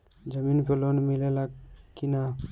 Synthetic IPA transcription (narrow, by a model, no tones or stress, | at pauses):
d͡ʒəminpʰelonmilelakːina